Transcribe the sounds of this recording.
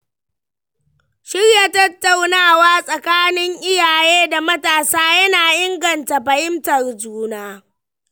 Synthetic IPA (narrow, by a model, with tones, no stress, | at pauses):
ʃɪ˦rja˨tɐ˦tːa˨wnaː˦˨waː˦sʼɐ˨kaː˦nɪ˦ŋʔɪ˦jaː˨jeː˦da˨mɐ˦taː˨saː˦jɐ˦naː˨ʔɪ˦ŋɡɐ˨nta˨ɸɐ˨jɪ˦mtɐ˨rd͡ʒuː˦naː˦